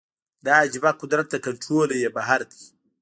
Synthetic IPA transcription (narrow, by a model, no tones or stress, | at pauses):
d̪ad͡ʒɪbaqʊd̪ɾat̪̚d̪ɐkɐnʈɾolojebaɦaɾd̪i̥